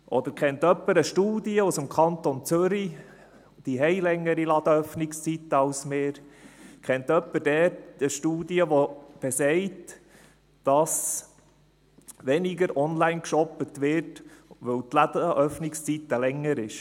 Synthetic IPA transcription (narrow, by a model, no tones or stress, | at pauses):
ʔɔd̪əɾkχɛnt̪œpːəɾəʃtuːdiəusəmkʰɑnt̪ont͡sʏɾi | d̥iɦɛɪlɛŋːəɾilɑd̥əœfnɪkst͡sit̪əɑʊsmɪːɾkʰɛnt̪œpːədɛt̚dəʃtuːdiəʋɔb̥ɛsɛɪt | d̥ɑs | ʋɛnɪɡəɾʔɔnlæɪnkʃɔpət̪ʋɪtʋɵwt̪lɑdəʔœfnɪkst͡sit̪ːəlɛŋːəɾɪʃ